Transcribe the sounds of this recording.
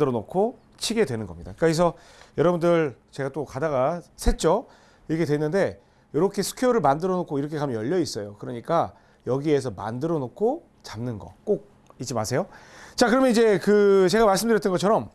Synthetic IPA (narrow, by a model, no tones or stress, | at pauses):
ɯɾʌnokʰo | t͡ɕʰiɡe̞dwe̞nɯnɡʌmɲida̰ɯk͈ais̬ʰʌ | jʌɾʌbundɯɭt͡ɕe̞ɡat͈okadaɣasʰe̞t͡ɕ͈o | ikʰe̞dwe̞nːɯnde̞ | jʌɾʌkʰe̞sʰu̥kʰeoɾɯɭmandɯɾʌnokʰoiɾʌkʰe̞kamjʌjʌʎːʌis͈ʌjokɯɾʌɲik͈a | jʌɡie̞sʰʌma̰ndɯɾʌnokʰo | t͡ɕamnɯnɡʌ̰k͈ok̚ | it̚t͡ɕ͈ima̰sʰe̞jot͡ɕakɯɾʌmʌnid͡ʑe̞kɯt͡ɕe̞ɡamaɭs̬͈ɯmndɯɾjʌt͈ʌnŋɡʌt͡ɕʰʌɾʌm